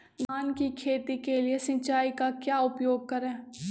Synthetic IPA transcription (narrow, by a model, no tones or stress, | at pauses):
baːnkikʰeːt̪ikeliesɪ̃t͡ʃaːikakjaːʊpjoːɡ̚kɐɾɛ̃ː